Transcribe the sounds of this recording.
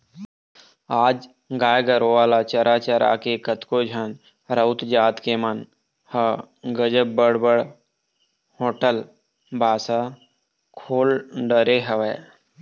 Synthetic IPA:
aːd͡ʒ | ɡaːjɡəɾoʋaːlat͡ʃəɾʔat͡ʃəɾa̰kekət̪kod͡ʒʱən | ɾəʊt̪d͡ʒaːt̪kemən | hə | ɡəd͡ʒəb̚bəɽbəɽ | hoːʈəl | bʱaːsa | kʰoːlɖəɾeɦəʋeː

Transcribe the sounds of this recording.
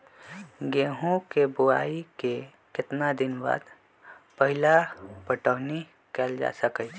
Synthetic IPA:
ɡeːɦũkebʊa̰ːike | kɪt̪nad̪ɪnba̰ːd̪ | pəɦɪlapəʈəːni | kɛld͡ʒa̰ːsəkət͡ʃʰ

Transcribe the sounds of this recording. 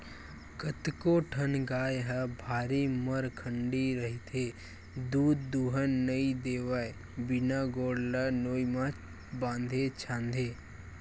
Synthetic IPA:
kət̪koʈʰənɡaːjɦəbʱaːɾiməɾkʰəɳɖiɾəɦit̪ʰeː | d̪uːd̪ːuːɦənːəĩd̪eːʋaːj | bɪnaːɡoːɽlanoːimã | bãːnd̪ʱet͡ʃʰãːnd̪ʱeː

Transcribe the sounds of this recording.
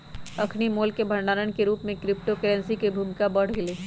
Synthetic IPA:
ɐkʰnimoːlkebʱɐɾnaːɾənkeɾuːpmẽkɾɪp̚ʈokɛɾɛ̃nsikebʱumɪkabɐɽ̤ɡɪleː

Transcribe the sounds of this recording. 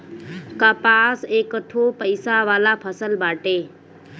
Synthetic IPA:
kəpaːseːkʈʰoːpəɪsaʋaːlapʰəsəlbaːʈeː

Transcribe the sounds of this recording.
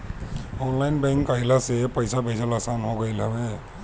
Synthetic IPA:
ɔnlajnbɛŋkːaɦilasɛpɔjsabʱejsalasanɦɔɡɔjlabɛ

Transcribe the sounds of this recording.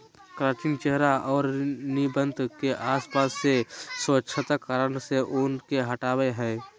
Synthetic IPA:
kɾaːt͡ʃɪŋt͡ʃeɦɾaɔːɾnibə̃nd̪keʔaːspaːsːesətːʃʰət̪əkaːɾənseʔʊːnkeɦəʈaːweɦɛː

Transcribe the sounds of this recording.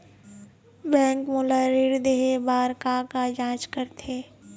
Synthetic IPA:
bɛ̃ːŋkmolaɾiɾd̪eɦebaːɾkakad͡ʒãːt͡ʃkəɾt̪ʰeː

